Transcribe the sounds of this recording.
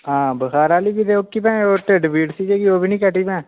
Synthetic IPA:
ɦãːbəxaːɾaːliːbiːd̪eːokːiːp̬ɛ̃ːoːʈeɖbiːɖsiːd͡ʒeːɡiːoːbʱiːnĩːkəʈːiːpɛ̃ː

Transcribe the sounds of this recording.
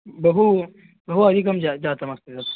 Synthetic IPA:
bɐɦu | bɐɦuɐd̪ʱikɐmd͡ʒad͡ʒaːt̪ɐmɐst̪esɐ

